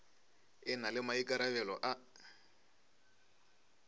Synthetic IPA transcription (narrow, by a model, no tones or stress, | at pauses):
ɪnalɪmaikʼaɾaβɛlɔʔa